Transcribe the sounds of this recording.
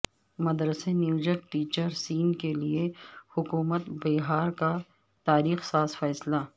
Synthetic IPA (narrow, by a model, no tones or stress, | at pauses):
mɐd̪ɾəsenjuːd͡ʒəɾk̚ʈiːt͡ʃəɾsiːnkeliehʊkuːmət̪beːɦaːɾka | t̪aːɾiːxsaːsfɛːsla